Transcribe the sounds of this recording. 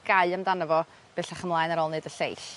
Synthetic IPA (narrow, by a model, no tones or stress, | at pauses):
ɡ̥aɨəmdanəvɔ | b̥eɬaχəmlˠaːjnaɾɔlˠnɨdəɬḛjɬ